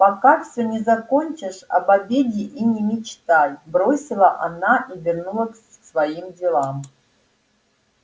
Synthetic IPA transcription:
pakafsʲonʲɪzakonʲt͡ʃɪʂa̰babʲedʲɪʔinʲɪmʲɪt͡ʃt̪ajbɾosʲɪlˠɐʔanaʔivʲɪrnulˠək | svajimdʲɪlˠam

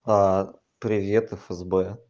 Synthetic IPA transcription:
a | pɾʲɪvʲet̪ɨfɛzbɛ

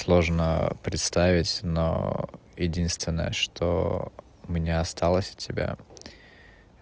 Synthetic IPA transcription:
slˠo̞ʐnə̰pɾʲɪt̪st̪avʲɪtʲno̰ | jɪdʲinst̪vʲɪnːə̰jə̰ʂt̪ʰo̰ | ʊmʲɪnʲaɐst̪alˠəsʲə̥tʲːɪbʲa̰

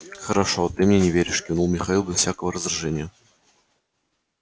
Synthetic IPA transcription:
xəɾɐʂot̪ɨmnʲenʲɪvʲeɾʲɪʂkʲɪnulˠmʲɪxɐilˠbʲɪsfsʲakəvəɾəzraʐɛnʲɪjə

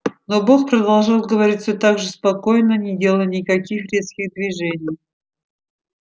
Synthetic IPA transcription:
noboxpɾəd̪ɐlˠʐat̪̚ɡəvɐɾʲitʲsʲot̪aɡʐɨspɐkojnənʲɪdʲe̞lˠəjnʲɪkɐkʲixɾʲe̞t̪skʲɪɣd̪vʲɪʐɛnʲɪj

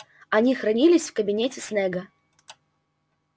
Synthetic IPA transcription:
ɐnʲixɾɐnʲilʲɪsʲfkəbʲinʲetʲɪsnɛɡɐ

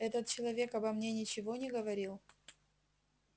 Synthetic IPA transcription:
ɛt̪ət̪̚t͡ɕɪlˠɐvʲe̞kɐbɐmnʲe̞nʲɪt͡ɕɪvo̞nʲɪɡəvɐɾʲilˠ

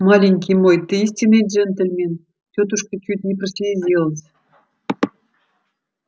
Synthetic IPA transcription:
mɑlʲiŋʲkʲijmojt̪əisʲtʲinet̪ʲʒɘ̆nt̪ɘ̆lʲmʲen | tʲot̪uʃkɤ̆kʲyt̪nʲiprsʲiezʲelˠəs

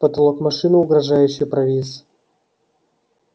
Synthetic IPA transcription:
pət̪ɐlˠokmɐʂɨnɨʊɡɾɐʐajʉɕːɪjpɾɐvʲilʲsɨ

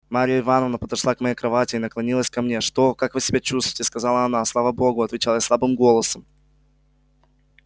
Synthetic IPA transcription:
maɾʲɪjəɪvanəvnəpəd̪ɐʂlˠakmɐjejkɾɐvatʲɪːnəklˠɐnʲilˠəsʲkɐmnʲeʂt̪o̞kakvɨsʲɪbʲat͡ɕust̪vʊ̥jtʲɪskɐzɑlˠəɐnaslˠavəbo̞ɡʊɐt̪vʲɪt͡ɕalˠjaslˠabɨmɡo̞lˠəsəm

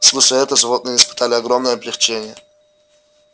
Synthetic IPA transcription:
slˠuʂəɛt̪əʐɨvot̪nɨɪspɨ̥t̪alʲɪɐɡɾomnəjəɐblʲɪxt͡ɕenʲɪjə

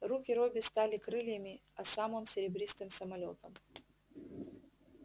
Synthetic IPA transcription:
rukʲɪɾobʲɪst̪alʲɪkɾɨlʲjəmʲɪɐsamɨmsʲɪɾʲɪbɾʲist̪ɨmsəmɐlʲot̪əm

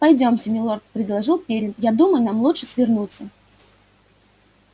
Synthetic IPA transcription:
pɐjdʲo̞msʲɪmʲɪlˠort̪̚pɾʲɪd̪lˠɐʐɨlˠpʲeɾʲɪmjad̪uməjʊnamlˠutʂɨsʲvʲɪrnut̪sːə

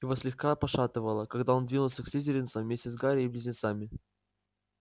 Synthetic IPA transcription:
jɪvosʲlʲɪxkapɐʂat̪ɨvəlˠəkaɡd̪ao̞nd̪vʲinʊlˠsʲəksʲizʲɪɾʲɪnt̪səmvmʲesʲtʲɪsɡaɾʲɪːblʲɪzʲnʲɪt̪samʲɪ

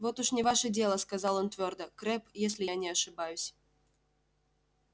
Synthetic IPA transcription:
vot̪uʂnʲɪvaʃɨdʲelˠəskazɑlˠont̪ʲvʲørd̪əkɾʲepjesʲlʲɪanʲɛɐʂɨbajusʲ

